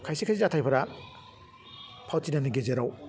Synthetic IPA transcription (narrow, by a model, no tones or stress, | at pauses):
kʰajsekʰazizatʰajpʰaɾa | pʰawtinaniɡezeɾaw